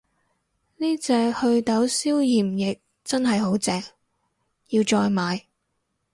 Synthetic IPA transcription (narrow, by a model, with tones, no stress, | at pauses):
niː˥t͡sɛː˧hɵ˧ɥt̪ɐ˨˥wsiː˥wjiː˨˩mjɪ˨k̚ | t͡sɐ˥nɦɐ˨jɦo˨˥wt͡sɛː˨ŋ | jiː˧wt͡ʃɔː˧jmaː˨˧j